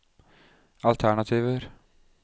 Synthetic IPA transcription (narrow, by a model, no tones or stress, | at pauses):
ɑlt̪ʰæɳɑt̪ʰiːʋəɾ